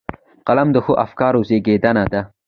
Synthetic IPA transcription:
qalamd̪əxoʔafkɑɾozeɡed̪anad̪a

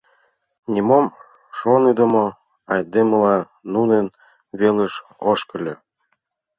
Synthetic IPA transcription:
nʲimom | ʃonid̪ə̆mo | ɑjd̪eməlɑ | nunən | βeleʃoʃkə̆lʲø

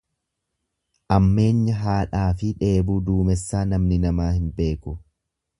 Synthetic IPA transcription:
ʔɐmːe̞ːɲːɐɦaːᶑaːfɪᶑe̞ːbuːd̪uːmɛsːaːnɐmnɪnɐmaːhɪnbe̞ːkʊ

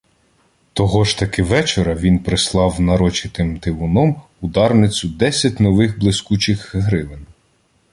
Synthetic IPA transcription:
t̪ɔɦɔʒt̪ɐkɪʋɛt͡ʃeɾɐʋʲinpɾɪslˠɑwnɐɾɔt͡ʃɪt̪ɪmt̪ɪʋʊnɔm | ʊd̪ɑrnɪt͡sʲʊd̪ɛsʲɐtʲnɔʋɪxblˠɪskut͡ʃɪxɦɾɪʋɪn

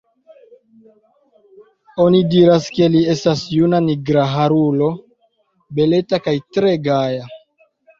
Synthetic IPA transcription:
o̞nidiɾaske̞lie̞stasjunaniɡɾaɦaɾulo̞ | be̞le̞takajtɾe̞ɡaja

